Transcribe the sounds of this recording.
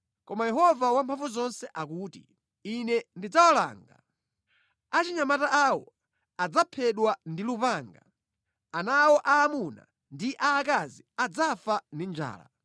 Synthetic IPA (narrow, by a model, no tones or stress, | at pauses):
kɔmajɛɦɔvawampʰaɱvuzɔnsɛʔakuːtḭ | inɛndid͡zawɔla̰ːŋɡa̰ | at͡ʃiɲamataʔawɔ̰ | ad͡zapʰɛɗwandilupaːŋɡa | anawɔʔaːmuna̰ | ndiʔaːkaziad͡zafandind͡ʒa̰ːla̰